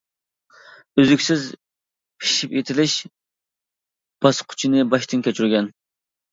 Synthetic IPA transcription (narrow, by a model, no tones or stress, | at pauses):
øzykʲsɪz | pʰi̥ʃipet̪ʰɪlɪʃ | b̥ɑsqʰʊ̥t͡ʃʰinɨbɑʃt̪ɨnkʲʰɛt͡ʃʰyɾɡʲɛn